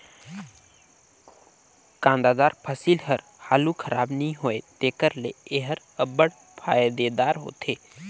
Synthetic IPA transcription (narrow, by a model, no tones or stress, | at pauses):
kãːnd̪aːd̪aːɾpʰəsiːlɦəɾ | haːlukʰəɾaːbnəĩɦoːet̪eːkəɾleeɦəɾ | əbəɽ | pʰaːjd̪ed̪aːɾɦo̰ːt̪ʰeː